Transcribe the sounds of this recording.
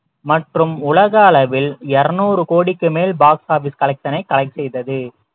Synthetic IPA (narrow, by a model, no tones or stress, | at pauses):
mɐʈrɯmʊlɐɣɐːlɐʋɪlɛɾɐnuːɾɯkoːɽɪkːɯmeːlbaːksaːɾfɪskɐlɐɪk̚t̪ɐnɐɪkɐlɐɪksɛjðɐðɯ